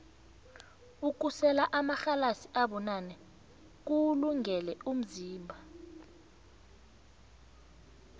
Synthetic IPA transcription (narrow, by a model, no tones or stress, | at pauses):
uk̬usɛlaʔamaxalasiʔaɓɔnanɛ | k̬uluŋɛlɛum̩ziːmbʱa